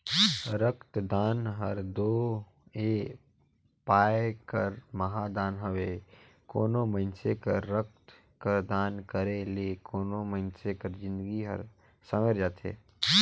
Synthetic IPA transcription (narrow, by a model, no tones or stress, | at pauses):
ɾəkt̪d̪aːnɦəɾd̪oː | e | paːekəɾməɦad̪aːnɦəʋe | ko̰ːnoməɪnsekə̰ɾːək̚t̪ | kəɾd̪aːnkəɾelekoːnomənsekəɾd͡ʒɪ̃nd̪əɡiɦə̰ɾ | səmeɾd͡ʒaːt̪ḛː